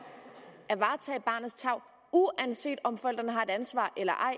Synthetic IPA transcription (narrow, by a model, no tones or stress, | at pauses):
ʔæʋɑ̈ːt͡sʰɛ̰ːɪb̥ɑ̈ːnð̩ˠst͡sʰɑ̈ʊ̰ | uænse̝̰ːd̥ɒ̽mfɒel̰d̥ɐnəɦɑ̈e̝d̥ænsʋɑ̰̈ːʔelɐʔɑ̈ɪ̰